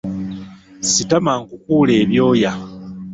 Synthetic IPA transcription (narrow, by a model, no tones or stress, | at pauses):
sitamaŋkukuːle̞ːβjo̞ːja